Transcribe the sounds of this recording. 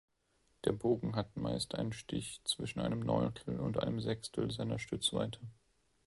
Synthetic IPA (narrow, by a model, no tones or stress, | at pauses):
d̥eːɐboːɡŋ̩ɦatma̰ɪstʔaɪnənʃtɪ̰çt͡sv̥ɪʃn̩ʔa̰ɪnəmnɔ̰ʏntʰl̩ʊ̰ntʔa̰ɪnəmzɛkstʰl̩zaɪnɐʃtʏt͡sv̥a̰ɪtʰə